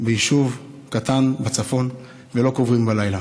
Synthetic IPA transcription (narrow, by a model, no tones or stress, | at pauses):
bejiʃuv | katanbat͡safo̞n | velo̞kovʁimbalajla